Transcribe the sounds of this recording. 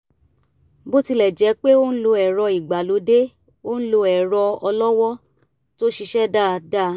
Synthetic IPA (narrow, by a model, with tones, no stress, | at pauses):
bo˦ti˧lɛ˨d͡ʒɛ˨˦k͡pe˦o˦n̩˦lo˧ɛ˨ɾɔ˧i˨ɡ͡ba˨lo˨˧˦de˦ | o˦ñ̩˦lo˧ɛ˨ɾɔ˧ɔ˧lɔ˦wɔ˦ | to˦ʃi˧ʃɛ˦da˦˨da˦˨